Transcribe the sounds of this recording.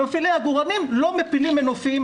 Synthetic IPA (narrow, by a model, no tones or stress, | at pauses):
ofilejaɡuʁanimlo̞mepilimenofiim